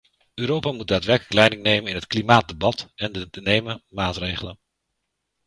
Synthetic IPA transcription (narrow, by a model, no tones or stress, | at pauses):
øːɾowpaːmut̚daːtʋɛɹkələklɛjdɪŋnejmənɪnɦətklimaːt̚dəbɑtɛndədənejməmaːtrejχələn